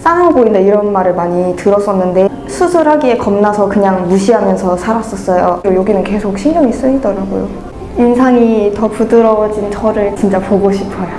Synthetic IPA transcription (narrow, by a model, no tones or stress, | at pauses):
s͈anaŋboinde̞iɾʌnmaɾɯɭmaɲitɯɾʌs͈ʌnːɯnde̞ | sʰusʰuɾɦaɡie̞kʌmnasʰʌkɯɲaŋjuɕʰiɦamjʌnsʰʌsʰaɾas͈ʌs͈ʌjoɾojoɡinɯnke̞sʰok̚ɕʰimɲʌŋis͈ɯidʌɾaɡo̰jo̰ | insʰaŋitʌpudɯɾʌd͡ʑint͡ɕʰʌɾɯɭt͡ɕint͡ɕ͈apoɡoɕʰipʰʌjo